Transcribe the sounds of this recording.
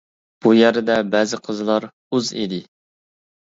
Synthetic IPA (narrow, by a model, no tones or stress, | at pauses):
b̥ujæɾɪd̪ɛbɛːzɪqʰəzɨlˠɑɾ | uzḭd̪ɪ